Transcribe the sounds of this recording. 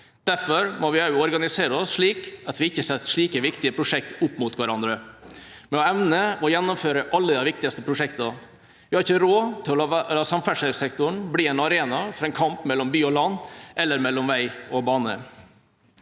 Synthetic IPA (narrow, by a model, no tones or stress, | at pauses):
d̪̥æɾfɔɾmɔʋɪæʉɔɾɡɑnɪseːɾəɔsʂɭiːkɑt̪ʋɪɪçːəsɛt̪ːʂɭiːkəʋɪkt̪ɪəpʰɾʊʂɛk̚t̪ʊpːmʊt̪ʰʋæɾɑnd̪ɾə | mɛɔɛʋnəɔjɛnːɔmføːɾəʔɑlːəd̪æɪʋɪk̚t̪ɪɑst̪əpʰɾʊʂɛkt̪ɑ | ʋɪhɑɾɪçːəɾoːt̪ʰɪlɔlɑːsɑmfæʂɛlsɛkt̪ʊɳbliːɛɪnɑɾeːnɑfɾɑɛnkʰɑmpmɛlːɔmbyːɔlɑnːʔɛlːəɾmɛlːɔmʋæɪɔbɑːnə̰